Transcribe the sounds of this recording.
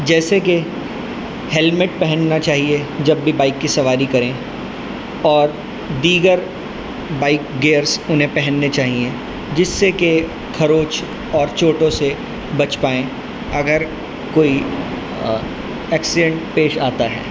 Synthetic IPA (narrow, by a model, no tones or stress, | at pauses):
d͡ʒɛːseke | hɛlmɪʈ̚pɛɦɛ̃nnat͡ʃaːɦied͡ʒɐbːibaːɪkːisɐʋaːɾikɐɾẽ | ɔːɾ | d̪iːɡəɾ | baːɪkɡeːɾsʊnɦẽpɛɦɛ̃nːet͡ʃaːɦiẽ | d͡ʒɪsːeke | kʰɐɾoːt͡ʃ | ɔːɾt͡ʃoːʈõse | bɐt͡ʃpaːẽ | ɐɡəɾ | koːi | ɛːksɪɖɛ̃ɳʈpeːʃaːt̪aɦɛ̰ː